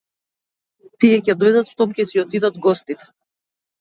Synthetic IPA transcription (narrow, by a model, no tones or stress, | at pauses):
t̪iɛcɛd̪ɔjd̪at̪ft̪ɔmcʲɛsiɔt̪id̪ad̪ɡɔst̪it̪ɛ̥